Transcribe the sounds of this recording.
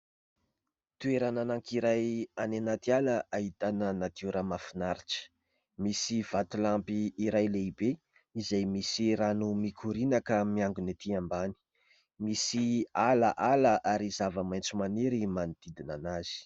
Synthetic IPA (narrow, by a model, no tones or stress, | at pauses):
t̪ueɾananaŋkiɾajanenat̪ialəaɦit̪anənat̪uɾamafinaɾiʈ͡ʂə̥ | misiv̥at̪ulampiːɾajleibe | izajmisiɾanumikʰuɾinakəmiaŋɡunet̪ʰiambani̥ | misialaʔaləʔaɾizavəmajnt͡sumaniɾimanid̪̥id̪inanaz̥i̥